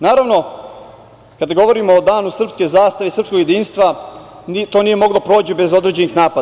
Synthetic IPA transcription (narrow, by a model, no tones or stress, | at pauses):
naːɾaʋno̞ | kad̪aɡo̞ʋo̞ɾimoːd̪aːnusr̩pske̞zaːst̪aʋesɾr̩psko̞ɡje̞d̪iːnst̪ʋa | nit̪o̞ːnije̞mo̞ɡlˠo̞pɾo̞ːt͡ɕibe̞zo̞d̪ɾe̞d͡ʑe̞nixnaːpad̪a